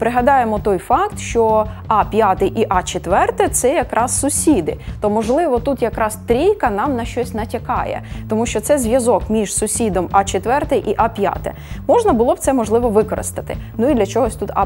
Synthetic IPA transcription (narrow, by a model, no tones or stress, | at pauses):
pɾɪɦɐd̪ɑjemɔt̪ɔjfɑkt̪ʃt͡ʃɔ | ɑpʲjat̪ɪʔiʔɑt͡ʃet̪ʋɛrt̪ɛt̪sɛjɐkɾʔɑssʊsʲid̪ɪ̰t̪ɔmɔʒlˠɪʋɔt̪ut̪jɐkɾɑst̪ɾʲijkɐnɑmnɐʃt͡ʃɔsʲnɐtʲɐkɑ̰jɛ̰t̪ɔmuʃt͡ʃɔt̪sɛzʲʋʲjɐzɔkmʲiʒ̥sʊsʲid̪ɔmɑt͡ʃet̪ʋɛrt̪ɛʔiʔɑpʲja̰t̪ɛ̰ | mɔʒnɐbʊlˠɔw̥tsɛmɔʒlˠɪʋɔʋɪkɔɾɪ̰st̪ɐt̪ɪnuid̪lʲɐt͡ʃɔɦɔsʲt̪ut̪ɑ̰